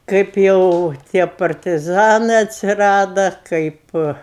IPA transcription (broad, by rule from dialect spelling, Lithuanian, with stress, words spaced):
ˈkɐɪp jɛʊ ˈtʲiɛ pɐrʲtʲɪˈzɑːnɜ ɐtʲsʲɪˈrɑːdɐ ˈkɐɪp